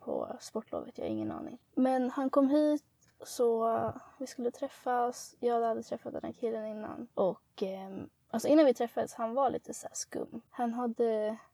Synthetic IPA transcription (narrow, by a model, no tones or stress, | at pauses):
pʰɔ̰spɔʈːlo̰ːvət̪jɑ̰ːa̰ɾɪŋːənɑ̰ːnɪ̰ŋ | mɛnhankʰɔmːɦiːt̪ | sɔvɪskɵlːət̪ʰɾɛfːasjɑːd̪had̪ət̪ʰɾɛfːat̪d̪ɛnhæ̰ːɾkʰɪlːənɪnːa̰nʔɔkː | ʔalsɔɪnːanvɪt̪ʰɾɛfːad̪əshanvaɭḭːt̪ʰəsæːʂkɵ̰mːhanɦad̪ːə